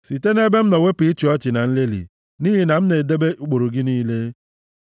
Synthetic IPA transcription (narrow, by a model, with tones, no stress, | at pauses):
si˨te˦ne˦be˦m̩˦nɔ˨we˦pi˨˦t͡ʃi˨ɔ˦t͡ʃɪ˨na˨n̩˦le˦lḭ˨ | ni˦ɦi˨na˨m̩˦ne˨de˦be˦ʔu˨k͡po˨ɾo˨ɡɪ˦niː˦le˦